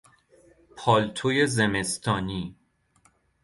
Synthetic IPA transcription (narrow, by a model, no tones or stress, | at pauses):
pʰɒːlt̪ʰojezeme̞st̪ʰɒːniː